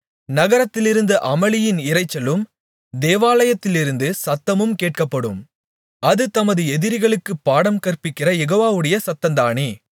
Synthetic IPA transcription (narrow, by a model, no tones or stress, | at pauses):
nɐɣɐɾɐt̪ːɪlɪɾɯnd̪ɐʔɐmɐɭɪjɪnɪrɐɪt͡ʃːɐlɯm | d̪eːʋaːlɐjɐt̪ːɪlɪɾɯnd̪ɯsɐt̪ːɐmɯmkeːʈ̚kɐpːɐɽɯm | ɐðɯt̪ɐmɐðɯɛðɪɾɪɣɐɭɯkːɯpːaːɽɐmkɐrpɪkːɪrɐjɛɣoːʋaːʋɯɽɐjɐsɐt̪ːɐnd̪aːɳi